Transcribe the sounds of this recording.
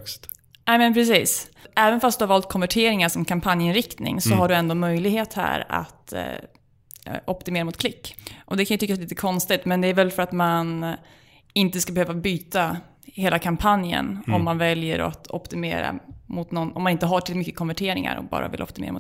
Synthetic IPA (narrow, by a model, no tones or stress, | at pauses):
st̪ | nɛːmɛnpʰɾɛs̬iːsɛːvənfast̪d̪ɵhaɾvɑːlt̪̚kʰɔnvæʈʰeːɾɪŋaʂɔmkʰampʰanjɪnɾɪkt̪nɪ̰ŋsɔɦaɖɵɛnd̪oːmœjlɪɡheːt̪hæ̰ːɾa̰t̪ | ʔɔpt̪ɪmeːɾamʊt̪kʰlɪkːʔɔd̪ɛkanjɑt̪ʏkːasɛliːt̪əkʰɔnst̪ɪt̪mɛnd̪ɛæɾvɛlfœɾat̪man | ɪnt̪əskabɛhøːvabyːt̪a | heːlakʰampʰanjə̰nɔmːanvɛljə̰ɾɔ̰t̪ʰɔpt̪ɪmḛːɾa̰mʊt̪nɔnɔmanɪnt̪əɦaʈʰɪlmʏkːə̥kʰɔnvæʈʰeːɾɪŋa̰ɾɔ̰kbɑ̰ːɾa̰vɪ̰lʔɔ̰p̚t̪ɪmḛɾamʊ̰